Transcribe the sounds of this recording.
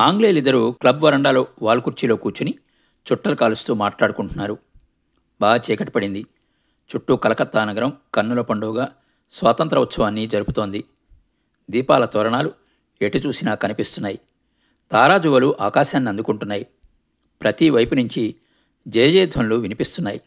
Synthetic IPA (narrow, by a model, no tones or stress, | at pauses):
aːŋɡleːlid̪ːɐɾuklɐbʋɐɾɐɳɖaːloːʋaːlukuɾt͡ʃiloːkuːɾt͡ʃuni | t͡ʃuʈːɐlukaːlust̪uːmaːʈlaːɽukuɳʈunːaːɾu | baːɡɐt͡ʃɛːkɐʈːipɐɽind̪i | t͡ʃuʈːukɐlɐkɐt̪ːaːnɐɡɐɾɐmkɐɾnːɐlɐpɐɳɖuːɡaː | sʋaːt̪ɐnt̪ɾɐʋut͡ʃsɐʋaːnːid͡ʒɐɾuput̪o̞ːnd̪i | d̪iːpaːlɐt̪ɔːɾɐɳaːlu | eʈit͡ʃuːsinaːkɐnipist̪unːaːji | t̪aːɾaːd͡ʒuʋɐluʔaːkaːʃaːnːiɐnd̪ukuɳʈunːaːji | pɾɐt̪iʋɐjpunuɲt͡ʃi | d͡ʒeːd͡ʒɛːd̪ʱʋɐnluʋinipist̪unːaːji